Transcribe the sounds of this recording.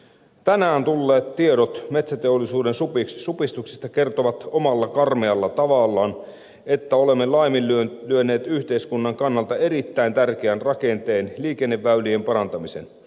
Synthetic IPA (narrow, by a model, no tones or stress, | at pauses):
t̪ænæːnt̪ulːeːt̪tieɾot̪met̪sæt̪eolːˑisuːdensupiksupist̪uksist̪ɑke̞rt̪oʋɑt̪omɑlːɑkɑrmeɑlːɑt̪ɑʋɑlːɑːn | e̞t̪ːæole̞mːelɑimilylyøne̞ːt̪yht̪eiskunːɑŋkɑnːɑlt̪ɑe̞ɾit̪ːæint̪ærk̟eænrɑke̞nt̪e̞ːnliːkenːeʋːæyliempɑɾɑnt̪ɑmisen